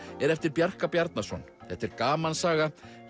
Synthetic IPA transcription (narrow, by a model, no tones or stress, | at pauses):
ɛɾɛft̪ɪɾpjar̥kapjaɾt̪̚nasɔnθɛht̪ɛɾkaːmansaːɣa